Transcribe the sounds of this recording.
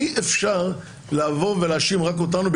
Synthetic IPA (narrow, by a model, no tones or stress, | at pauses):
iʔefʃaʁ | laːvo̞ʁvelaːʃimʁakot̪̬anub